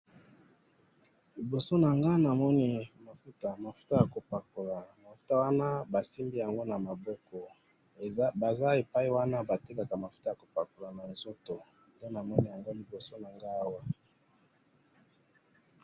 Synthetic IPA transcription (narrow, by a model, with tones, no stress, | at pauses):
li˨bo˨so˦na˨ŋɡa˦na˨mɔ˦ni˦ma˨fu˦ta˨ma˨fu̥˦ta˦ja˨ko˨pa˨ko˨la˨ma˨fu̥˦ta˦wa˦na˦ba˨si˦mbi˦ja˨ŋɡo˦na˨ma˨bɔ˦kɔ˨˦ | ba˨za˦e˨pa˦i˦wa˦na˦ba˨ti˦ka˨ka˨ma˨fu˦ta˨ja˨ko˨pa˨ko˨la˨na˨nzo˦to˨ | nde˦na˨mɔ˦ni˨ja˨ŋɡo˦li˨bo˨so˦na˨ŋɡa˦a˦wa˦